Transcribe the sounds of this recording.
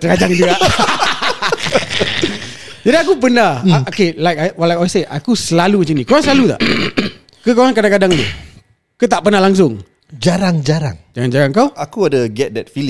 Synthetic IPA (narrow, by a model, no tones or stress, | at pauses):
t̪əɾad͡ʒaŋd͡ʒuaʔ | d͡ʒadiakupənahokelajkawalaaseʔakusəlalumat͡ʃaŋnĩkoɾaŋsəlalut̪a̰ʔ | kəkoɾaŋkadaŋkadaŋd̪ṵ | kət̪aʔpənahlaŋs̬ʊŋ | d͡ʒaɾaŋd͡ʒaɾa̰ŋd͡ʒaɾaŋd͡ʒaɾaŋkawakuadəɡɛt̚dɛt̚fil